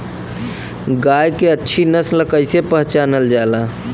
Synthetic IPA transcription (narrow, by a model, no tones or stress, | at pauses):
ɡajkeətːʃʰinəsləkəjsepəɦt͡ʃanəld͡ʒala